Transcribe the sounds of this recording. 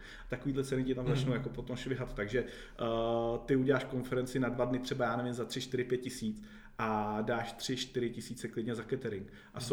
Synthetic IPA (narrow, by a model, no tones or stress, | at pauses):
at̪akoviːdlɛt͡sɛnɪcɪt̪amzat͡ʃnowjakopo̞t̪o̞mʃvɪɦat̪t̪ːaɡʒɛ | t̪ɪuɟɛlaːʃko̞nfɛɾɛnt͡sɪnadvadnɪt̪r̥ɛbajaːnɛvɪmzat̪r̥ɪʃt̪ɪɾɪt̪̚pjɛt̪̚cɪsiːt͡s | ʔadaːʃt̪r̝̥ɪʃt̪ɪɾɪcɪsiːt͡sɛklɪdɲɛzakɛt̪ɛɾɪŋk | ʔaso